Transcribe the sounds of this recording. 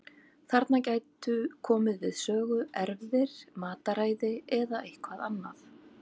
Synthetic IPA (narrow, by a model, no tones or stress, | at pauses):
θaɾt̪nacajt̪ʏkʰɔːmɪðvɪð̥sœːɣʏʔɛɾvðɪɾ̥maːt̪aɾaːjðɪɛðaejhkʰvaðanːaθ